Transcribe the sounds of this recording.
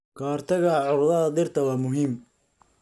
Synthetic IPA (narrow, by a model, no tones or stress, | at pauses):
kʰaːrt̪ʰɐɣɐʕʊɾðɐðɐd̪ɪrt̪ʰɐwɑːmʊɦiːm